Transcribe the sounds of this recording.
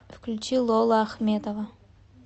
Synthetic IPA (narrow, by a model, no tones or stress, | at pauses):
fklʲʉt͡ɕilˠolˠəaxmʲe̞t̪əvə